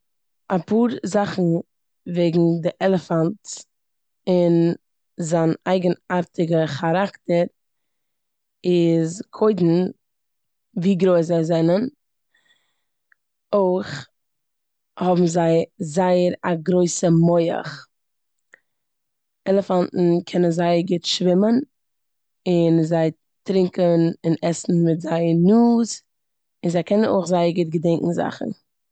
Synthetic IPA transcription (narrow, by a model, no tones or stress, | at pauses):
apuːɾzaχn̩ | veɪɡŋ̩dɪʔɛlˠəfant | ɪn | zaːnaɪɡənaɾtɪɡəχaɾaktəɾ | ɪzkʰoɪdn̩ | viːɡɾoɪs̬ɛzɛnən | oɪχ | hɔbm̩zaɪzaɪəɾaɡɾoɪsəmoɪə̰χ | ɛlˠəfantn̩kʰɛnənzaɪəɾɡɪtʃvɪmən | ɪnzaɪ | tɾɪŋkənɪnɛsn̩mɪtzaɪənuːz | ɪnzaɪkʰɛnəno̰ɪχzaɪəɾɡɪt̚ɡədɛŋkŋ̩za̰χn̩